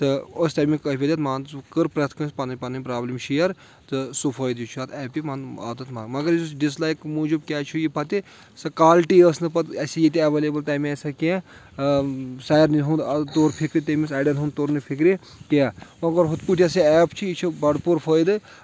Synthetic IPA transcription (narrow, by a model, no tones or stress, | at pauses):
t̪ɨost̪ɐmʲikɐpʰʲed̪ʲɐt̪maːnkɨɾpɾɐt̪ʰkɐnspɐnʲpɐnɐmʲpɾaːblimʃijɐɾ | t̪ɨsufʰəːjd̪jut͡ʃʰuaːt̪ʰɛːpimɐna̰t̪ɨt̪maːmɐɡɐɾiusɖislajkmuːd͡ʒibkʲaːt͡ʃʰujipɐt̪i | sɐkaːlʈiəsnɨpɐt̪ɐsijit̪iɐʋeːleːbɨlt̪aːmʲasɐkẽ | saːjɾniɦund̪t̪oːɾpʰikɾit̪ɐmisaːɖɐnt̪ɦund̪t̪oːɾnɨpʰikɾi | kijaːmɐɡɐɾɦut̪puʈʲjɐsiɛːpt͡ʃʰiit͡ʃʰubɐɽpuɾpʰəːjd̪ɨ